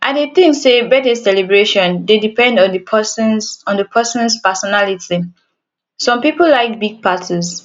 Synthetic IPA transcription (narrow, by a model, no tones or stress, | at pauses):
ʔadeθĩŋsebɛdəssɛlibɹeʃɔ̃ndedipɛ̃ndɔ̃ndəsnɔ̃ndəpʰɛsɔ̃nspəsɔnalitʰi | sɔ̃mpipolaɪk̚biɡ̚pʰatʰis